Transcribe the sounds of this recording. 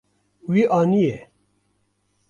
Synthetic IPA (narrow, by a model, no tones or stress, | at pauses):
wiʔanije